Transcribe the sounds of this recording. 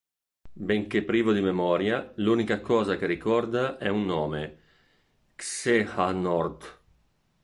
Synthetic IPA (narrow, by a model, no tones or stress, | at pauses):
beŋkepːɾiːvod̪imemɔːɾjaluːnikakɔːzakerikɔrd̪aʔɛunːɔːme | ksehanɔrt̪